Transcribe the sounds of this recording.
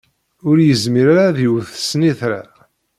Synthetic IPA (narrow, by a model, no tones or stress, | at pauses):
ʊɾjəzmiɾaɾaðuwθsniθɾa̰